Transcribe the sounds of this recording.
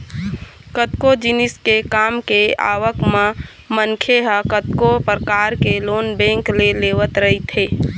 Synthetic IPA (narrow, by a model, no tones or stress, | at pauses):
kət̪kod͡ʒinɪskekaːmkea̰ːʋəkmã | mənkʰeɦəkət̪kopɾəkaːɾkeloːnbɛ̃ːŋkleleːʋət̪ɾəɦit̪ɦeː